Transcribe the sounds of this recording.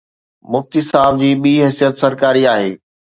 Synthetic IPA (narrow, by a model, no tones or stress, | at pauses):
mʊft̪isaːb̚d͡ʑiːɓiːɦɪsijət̪sɐɾkaːɾiaːɦḛː